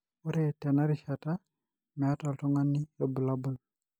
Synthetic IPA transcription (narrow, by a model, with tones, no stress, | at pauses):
u˦ɾe˨tɛ˨na˦ɾiʃata˦ | mɛ˨a˦ta˨ltu˦ŋa˦nːi˦o˨bu˨la˦bu˦l